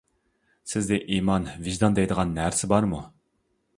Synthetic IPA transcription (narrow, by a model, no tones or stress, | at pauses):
sɪzd̪ɛʔimɑnviʒd̪ɑnd̪ɛjd̪əʁɑnːæɾsɪbɑɾmu